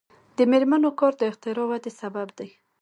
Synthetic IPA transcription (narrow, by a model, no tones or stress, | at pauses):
d̪əmeɾmanokɔɾd̪əɪxt̪ɪɾɑwad̪esababd̪aj